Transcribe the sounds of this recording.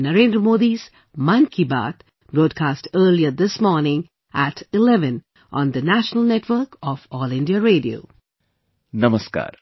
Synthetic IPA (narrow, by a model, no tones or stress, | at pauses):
nəɾẽːndɾəmoːd̪iz | mãnkʰiba̰ːt̪ | bɾɔːɖ̚kʰaːsʈəːliəd̪ɪsmɔːɾnɪ̃ŋ | ʔæʈɪlɛʋə̃n | ʔɔ̃ːnd̪ənæʃnəlnɛʈʋəɾkɔfɔːlɪ̃nɖiaɾeːɖio̰ː | nɐməska̰ːɾ